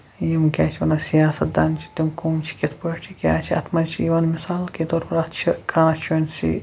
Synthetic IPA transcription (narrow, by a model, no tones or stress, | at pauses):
jimkʲaːt͡ʃʰiʋɐnɐsijaːsɐt̪̚d̪ant͡ʃʰi̥t̪imkoːmt͡ʃʰi̥kʲet̪ʰpɐt͡ʃʰikʲaːt͡ʃʰiɐ̰t̪ʰmɐt͡ʃʰiiʋaːnmisaːlkit̪oɾbɐɾɐt̪t͡ʃʰikaːnɐt͡ʃʰɐnsḭ